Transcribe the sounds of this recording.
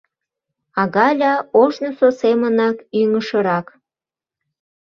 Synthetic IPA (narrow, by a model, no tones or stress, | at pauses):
ɑɣɑlʲɑoʒnososemənɑkyŋəʃəɾɑk